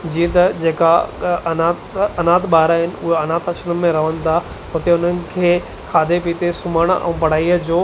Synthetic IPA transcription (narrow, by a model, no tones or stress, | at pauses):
d͡ʑĩːə̃t̪ɐd͡ʑeːkaɐnaːt̪ɐnaːt̪ʰɓaːɾaɦɪnɪ̆ʊɦoɐnaːt̪ʰɐʃənəmẽɾɐʋ̤ənɪ̆t̪ʰa | ɦʊt̪eʊn̤ənɪ̆kʰeː | kʰaːd̪ʱepiːt̪esʊməɽ̃ɛ̰̃ːpɐɽ̤aːiːəd͡ʑoː